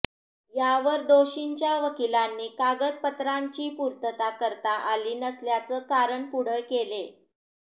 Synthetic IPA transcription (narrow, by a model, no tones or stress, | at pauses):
jaʋəɾd̪oɕiɲt͡ɕjaʋəkilanːiːkaɡəd̪̚pət̪ɾaɲt͡ɕiːpuɾt̪ət̪akəɾt̪aʔaliːnəsljat͡səkaɾəɳpuɽ̤əjkele